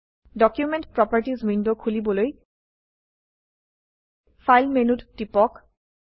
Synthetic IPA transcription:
ɖɔkjumenʈpɹɔpəɹʈizmindokʰulibɔloj | fʰajlmenuttipɔk

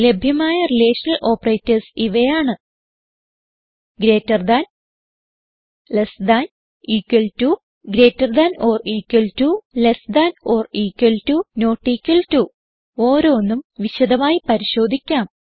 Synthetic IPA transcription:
le̞bʱjɐmaːjɐrileːʂɐnɐlʔo̞ːpːɐreːtːɐrsiʋejaːɳɨ | ɡɾe̞ːtːɐrd̪an | lesd̪an | iːkːwɐltu | ɡɾe̞ːtːɐrd̪ɐno̞ːriːkːwɐltulesd̪ano̞ːriːkːwɐltuno̞ːʈːiːkʲːɐltu | o̞ːɾo̞ːnːumʋiɕɐd̪ɐmaːjipɐɾiɕo̞ːd̪ʱikʲːaːm

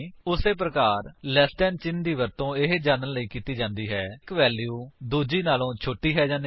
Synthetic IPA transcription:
ʊseːp̬ɾəkaːɾlɛːsʈɛːnt͡ʃɪnd̪iːʋəɾt̪õːɪɦd͡ʒaːnənləiːkiːt̪iːd͡ʒãːnd̪iːɦɛːkʋɛːljuːd̪uːd͡ʒiːnaːlõːt͡ʃʰoːʈːiːɦɛːd͡ʒãːn

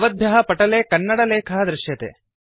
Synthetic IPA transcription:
ʋɐd̪ʱjɐɦɐpɐʈɐleːkɐnːɐɽɐleːkʰɐɦɐd̪ɾɪʃjɐt̪ḛː

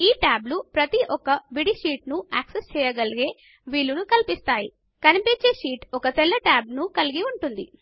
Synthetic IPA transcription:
iːʈaːblupɾɐt̪iʔɔkɐʋiɽiʃiːʈnuaːksest͡ʃɛːjɐɡɐliɡe̞ː | ʋiːlːunukɐlipist̪aːji | kɐnipeːt͡ʃeːʂiːʈɔkɐt̪ɛlːɐʈaːbnukɐliɡiuɳʈund̪ḭ

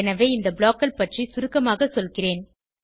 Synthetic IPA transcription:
ɛnɐʋeːɪnd̪ɐbɭaːkːɐlpɐʈrisʊɾɯkːɐmaːɣɐsɔlɣɪreːn

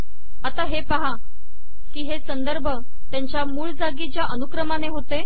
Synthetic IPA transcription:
at̪aɦepaɦa | kiːɦesənd̪əɾbʱə | t̪jaɲt͡ɕjamuːɭd͡zaɡiːt͡ɕjaʔənukɾəmaneɦot̪e

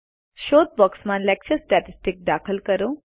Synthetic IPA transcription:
ʃoːt̪̚bɔksmanlɛk̚t͡ʃəɾsʈaʈisʈik̚d̪aːkʰəlkəɾũ

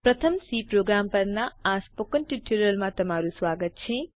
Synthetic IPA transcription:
pɾɐt̪ʰɐmsiːpɾoːɡɾaːmpɐɾnɐaːspokɐnʈiʈʰuɾɐlmat̪ɐmaːɾuswaːɡət̪̚t͡ʃʰẽ

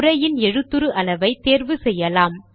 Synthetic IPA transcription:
ɾɐjɪnɛɻɯt̪ːɯɾɯʔɐlɐʋɐɪt̪ːeːɾʋɯsɛjːɐlaːm

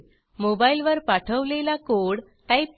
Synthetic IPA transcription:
mobailʋəɾpaʈʰəʋlelakoɽ | ʈaip̚

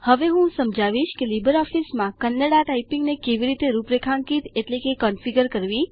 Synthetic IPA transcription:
həʋeɦũsəmd͡ʒaʋiʃkelibəɾɔfismãkənːəɽaʈaipĩŋɡnekeʋiɾit̪eɾupɾekʰãŋkit̪eʈlekekɔnfiɡəɾkəɾʋi

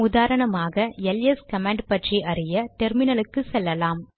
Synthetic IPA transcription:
ʊðaːɾɐɳɐmaːɣɐɛlɛskɐmaːɳɖpɐʈriʔɐrɪjɐʈɛɾmɪnɐlɯkːɯsɛlːɐlaːm

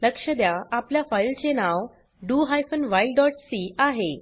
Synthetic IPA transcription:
ləkʂəd̪jaapljafajlt͡senaʋ | ɖuɦajfənʋajlɖɔʈsiaɦe

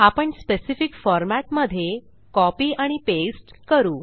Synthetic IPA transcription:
apəɳspesifikfɔɾmatməd̪ʱje | kɔpiːaɽ̃ipesʈkəɾuː

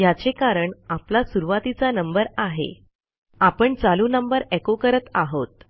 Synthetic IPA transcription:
jat͡sekaɾəɳaplasuɾuʋat̪it͡sanəmbəɾaɦḛ | apəɳt͡saluːnəmbəɾekokəɾət̪aɦot̪̚

